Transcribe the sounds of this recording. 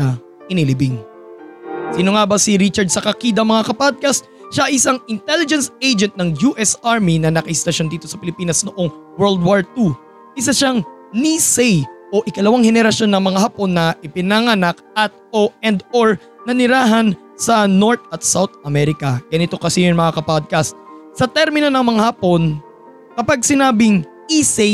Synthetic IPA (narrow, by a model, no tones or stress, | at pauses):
nɐ | ʔɪnilibɪŋ | siːno̞ŋabɐsiɾit͡ʃɐɹd̪̚sɐkɐkiːd̪ɐmɐŋakɐpad̪̚kɐst̪̚ʃaʔɪsaŋɪnt̪ɛlɪd͡ʒɛnsejd͡ʒɛnt̪̚nɐŋjuʔɛsaɹminɐnɐkɐʔɪst̪ɐʃo̞nd̪iːt̪osɐpɪlɪpiːnɐsnoʔo̞ŋwɛɹld̪̚waɹt̪u | ʔɪs̬aʃaŋnisɛjʔo̞ʔɪkɐlɐwaŋhɛnɛɾɐʃo̞nːɐŋmɐŋahapo̞nːɐʔɪpɪnɐŋɐnak̚ | ɐt̪̚oɛnd̪oɹ | nɐnɪɾaːɦɐn | sɐno̞ɹt̪̚ɐt̪̚sawt̪̚ɐmɛɾɪkɐɡ̥ɐnɪt̪o̞kɐsɪjoŋmɐŋakɐpod̪̚kɐst̪̚sɐt̪ɛɾmɪno̞nɐŋmɐŋahaːpo̞n | kɐpaɡ̚sɪnaːbɪŋʔisɛ